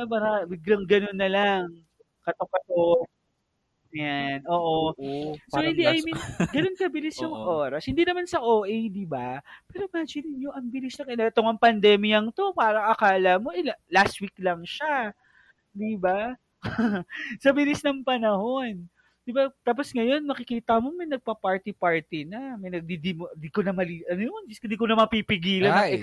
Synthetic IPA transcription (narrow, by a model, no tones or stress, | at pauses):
ɐbaɾɐbɪɡlɐŋɡɐno̞nːɐlaŋ | kɐt̪okɐt̪o | janʔoːʔosohɪnd̪iʔajminɡɐnonkɐbɪlɪsjoŋʔoːɾɐshɪnd̪inɐmansɐʔoːʔɛjd̪ibapɛːɾoɪmad͡ʒɪnɪnjoʔɐŋbɪlɪsnɐŋkɐnɛt̪oŋɐŋpɐnd̪ɛmɪjɐŋt̪o̞paːɾɐŋʔɐkaːlɐmoʔɛlast̪̚wiklɐŋʃa | d̪iba | sɐbɪlisnɐŋpɐnɐho̞n | d̪ɪbat̪aːp̬osŋɐjo̞nmɐkɪkiːt̪ɐmo̞mɐjnɐɡ̚pɐpaɹt̪ɪpaɹt̪ɪnɐmɐjnɐɡ̚d̪id̪imond̪ikonɐmɐliʔɐnojond͡ʒɪskʊnd̪iːkonɐmɐpipɪɡiːlɐnɐɛ